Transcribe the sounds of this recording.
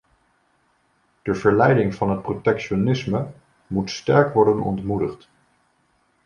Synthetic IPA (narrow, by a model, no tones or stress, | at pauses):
d̥əvəɹlɛjdɪŋvɑnɦət̚protɛkʃonɪsmə | mutstɛɹkʋɔɹdənɔ̰ntmudəχt